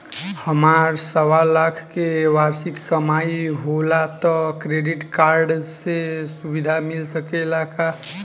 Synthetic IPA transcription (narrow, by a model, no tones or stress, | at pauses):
həmaɾsəʋalakʰkeʋaɾsikːəmaiɦolat̪ɔkɾeɖiʈkaɾɖsesubid̪ʱamilsəkelaka